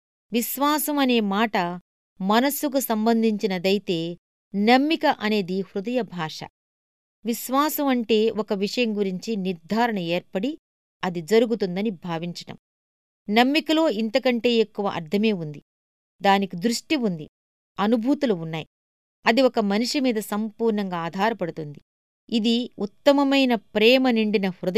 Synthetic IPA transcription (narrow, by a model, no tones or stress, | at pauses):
ʋiʃʋaːsɐmɐne̞ːmaːʈɐ | mɐnɐsːuk̬usɐmbɐnd̪ʱiɲt͡ʃinɐd̪ɐjit̪e̞ː | nɐmːikɐʔɐne̞ːd̪ihɾud̪ɐjɐbʱaːʂɐ̰ | ʋiʃʋaːsɐmɐɳʈe̞ːɔkɐʋiʂɐjɐmɡuɾiɲt͡ʃiniɾd̪ʱaːɾɐɳɐe̞ːɾpɐɽi | ɐd̪id͡ʒɐɾuɡut̪und̪ɐnibʱaːʋiɲt͡ʃɐʈɐ̰m | nɐmːikɐlo̞ːint̪ɐkɐɳʈe̞ːekːuʋɐ̰ʔɐ̰ɾd̪ʰʱɐme̞ːund̪i | d̪aːnikid̪ɾuʂʈiund̪i | ɐnubʱuːt̪uluunːaːji | ɐd̪iwɔkɐmɐnuʂimiːd̪ɐsɐmpuːɾɳɐŋɡaːd̪ʱaːɾɐpɐɽut̪und̪i | id̪iut̪ːɐmɐmɐjnɐpɾɛːmɐniɳɖinɐhɾud̪ɐ